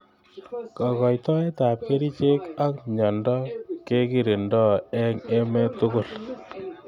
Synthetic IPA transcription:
kɑ˨kɔ˨jtɔ˦e˦ta˨p̚ke˦ɾi˦t͡ʃe˦ka˦k̚ɲɔ˨ndɔ˦ke˦ki˨ɾi˨ndɔ˦ɛ˦ŋe˦me˦tʊ˦kʊ˦˨l

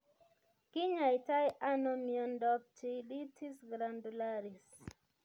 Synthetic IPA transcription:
kɪ˦ɲa˨jta˦jʔa˦nɔ˦miɔ˨ndɔ˦p̚ti˦li˦tʰi˦sɡɾa˨ndu˨la˦ɾi˨s

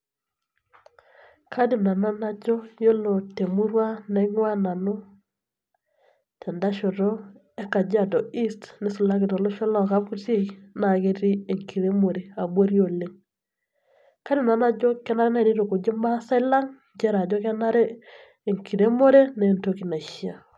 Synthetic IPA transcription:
kʰa˦di˨na˨na˦na˦d͡ʒɔ˦jo˦lo˨te˨mu˦ɾwa˦na˨˦ŋwa˦na˨no˦ | tʰɛ˨nda˦ʃo˨ɾo˦ | e˦ka˨d͡ʒa˦dɔ˨i˦stnɪ˦su˨la˦kɪ˨tɔ˨lo˦ʃo˦lɔ˦˨ka˦pu˦te˦˨kna˨ke˦ɾi˦e˨ŋkʰi˨ɾe˦mo˨ɾe˨a˨bwo˦ɾjo˨le˦ŋ | ka˦dɪ˨na˨na˦d͡ʒɔ˦kɛ˦na˦ɾe˦na˦i˨ɾi˦ɾo˨ko˨d͡ʒe˦mba˦sa˦la˦ŋ | d͡ʒɛ˦ɾa˨d͡ʒɔ˦kɛ˦na˦ɾeː˦˨ | ŋkʰi˨ɾe˦mo˦ɾe˦na˨nto˦ki˨na˨ʃa˨

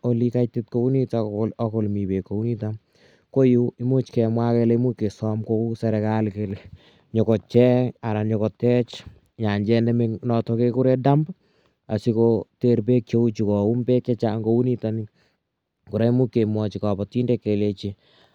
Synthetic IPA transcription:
o˦li˦kajtit̚ko˦u˦ni˦talɔ˦ko˨lmi˨be˨kːo˨u˦ni˦tam | ko˦jui˦mo˦t͡ʃkɛ˨mwa˦kɛ˦le˦mu˦kːe˨sɔ˦mko˦u˦sɛ˧ɾɛkalkele | ɲo˨kɔ˨t͡ʃɛ˦a˨ɾa˨ɲɔ˨kɔtɛ˦t͡ʃ | ɲa˨ɲd͡ʒɛ˦nɛ˦me˦nɔ˧tɔke˦ku˦ɾe˦da˦mb | a˨si˦koteɾbe˦k̚t͡ʃo˦u˦t͡ʃu˨kɔ˨u˦mbe˦kːet͡ʃa˦ŋɡo˦u˦ni˦tani | ku˨ɾe˦mu˦kːe˨mwɔt͡ʃi˨ka˨bɔ˨ti˦ndekːe˨le˦t͡ʃi˨

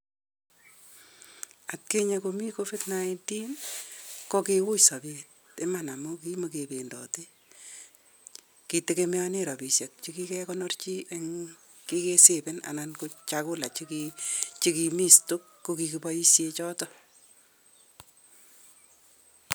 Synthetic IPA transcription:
a˨t̚ke˦ɲekomi˦kofe˦tnainti˦n | kɔ˦kewʊ˦jsa˨bet | e˦ma˨na˨mukimokependɔ̰ti˦ | ki˨te˦keme˦ɔ˦ne˦ɾɔ˨pi˨sje˨k̚t͡ʃiki˦kɛ˦kɔnɔrt͡ʃi˦ʔe˦ŋ | ki˦ke˦sepɪ˦na̰˨nanko˧t͡ʃakʊ˦la˨t͡ʃikit͡ʃi˦ki˧mi˦stu˦kːokiki˨pɔji˦sjet͡ʃɔ˦tɔ

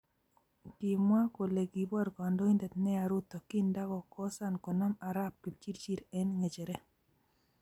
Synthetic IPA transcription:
ki˨mwa˦ko˨le˨ɡi˨bɔ˦ɾkɔ˨ndɔ˦i˦ndɛ˨t̪nɛ˦a˨ɾu˦t̪ɔ˨ki˦nda˦ɡɔ˨kɔ˦sa˦nkɔ˨nɔ˦ma˨ɾa˦pːi˨t͡ʃi˦ɾt͡ʃi˦ɾɛ˦nŋe˨t͡ʃe˨ɾɛ˦

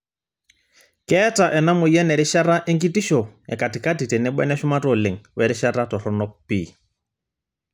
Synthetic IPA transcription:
kɛ˦ta˨ʔɛ˨na˦mʊ˨jɛ˦nɛ˨ɾɪ˦ʃa˦ɾa˦ʔe˦ŋki˦ti˦ʃɔ˨ɛ̰˨ka˨ti˨ka˦ti˨tɛ˨nɛ˦ɓwɛ̰˦nɛ˦ʃʊ˦ma˦tɔ˨le˨ŋ̩wɛ˨ɾɪ˦ʃa˦ɾatɔ˨ɾɔ˦nɔ˦pḭː˨

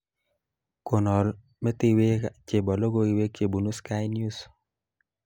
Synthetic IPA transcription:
ko˨nɔ˨l | mɛ˦t̪ɪ˦we˦t͡ʃe˨bɔ˨lo˦ɡo˦i˨we˦ke˨bu˨nu˦ska˦jnju˦s

